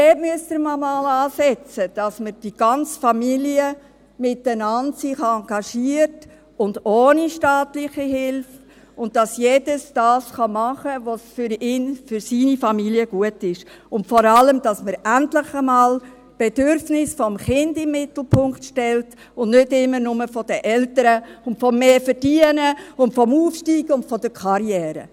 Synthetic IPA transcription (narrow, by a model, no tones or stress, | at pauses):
dɛːmyəstəɾmɑmɑːlɑːsɛt͡səd̥ɑsməɾd̥iɡ̥ɑnt͡sfɑmiliə | mɪtːənɑndsɪχɑŋɡɑʃiəɾt | ʊndoːniʃtɑːtlɪχiɦɪlf | ʊnt̚d̥ɑsjeːd̥əsd̥ɑːsχɑmɑχəʋosfʏɾɪːnfʏɾsiːnifɑmiliəɡ̥uətɪʃ | ʊntfɔɾɑləmd̥ɑsməɾæntlɪχəmɑːl | b̥edʏɾfnɪsfɔmχɪndɪmːɪtl̩pʰʊŋχtʃtɛlt | ʊnnʏdɪmːənʊməfɔd̥əʔɛltəɾəʊntfɔmːeːfəɾd̥iənəʊntfɔmuːfʃtiːɡ̥əʊntfɔdəkʰɑɾjɛːɾə̰